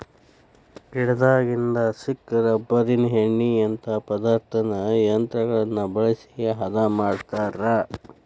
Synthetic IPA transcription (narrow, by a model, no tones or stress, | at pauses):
kiɽɛd̪aːɡind̪ɐsikːɐɾɐbɐɾinɦeɳːijɐnt̪ʰɐpɐd̪aːɾt̪ʰɐnɐjɐnt̪ɾɐɡɐɭɐnːɐbɐɭɐsiɡeɦɐd̪amaːɖt̪aːɾa